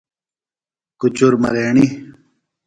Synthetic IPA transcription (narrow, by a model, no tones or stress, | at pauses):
kut͡ɕuɾmɐ̰d̪eːɳi